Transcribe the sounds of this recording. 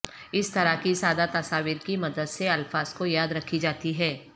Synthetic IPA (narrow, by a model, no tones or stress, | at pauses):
ɪst̪ɐɾakisaːd̪at̪ɐsaːʋiːɾkimɐd̪əd̪seɐlfaːzkojaːd̪ɾɐkʰːid͡ʒaːt̪iɦɛː